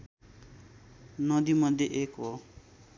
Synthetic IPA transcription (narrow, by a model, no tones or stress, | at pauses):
nʌd̪imʌd̪ʱjeʔekɦo